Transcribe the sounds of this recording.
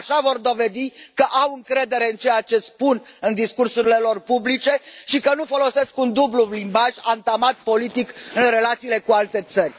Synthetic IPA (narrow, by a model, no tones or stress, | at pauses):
aʃavo̞rd̪o̞ve̞d̪ikəʔawɨŋkɾe̞d̪e̞ɾe̞ɨnt͡ʃejat͡ʃe̞spunɨnd̪iskursuɾile̞lo̞rpublit͡ʃe̞ʃikənufo̞lo̞se̞skund̪ublulimbaʒant̪amat̪̚po̞lit̪ikɨnre̞lat̪siːle̞kualt̪e̞t̪sərʲ